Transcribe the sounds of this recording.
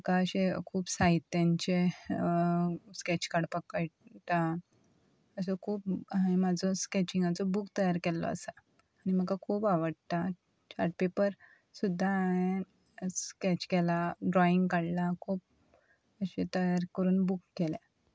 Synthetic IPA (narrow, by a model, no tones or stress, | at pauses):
məkaəɕekʰuːbsait̪ːjaɲt͡ɕe | skɛt͡ɕkaɽpəkajt̪a | əs̬ɔkʰuːpaɦẽmad͡zʱɔskɛt͡ɕiŋɡat͡sɔbukt̪əjaɾkɛlːɔ̰ə̰saː | ñim̤əkakʰuːpaʋəɽt̪a | t͡ɕaɾʈ̚pepəɾ | sud̪ʱːaaɦẽ | skɛt͡ɕkɛlaɖɾɔiŋɡkaɽlakʰuːp̚ | əɕet̪əjaɾkəɾuːnbukːɛlɛ